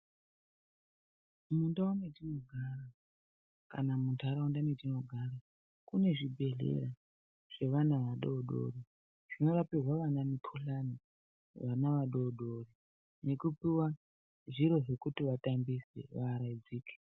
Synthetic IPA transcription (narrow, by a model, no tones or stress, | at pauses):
mundaumetino̞ɡʱaɾa | ka̰namuntʰaɾaundametino̞ɡʱaɾa | kune̞ʐibʱe̞ɮḛɾa | ʐ̥e̞ʋanaʋaɗoɗo̰ri | ʐ̥ino̞rapirwaʋanamikʰuɬani | ʋanaʋaɗoːɗori | ne̞kupiwa | ʐiɾo̞ʐekutiʋatambisḛʋaːɾaid͡ziːke̥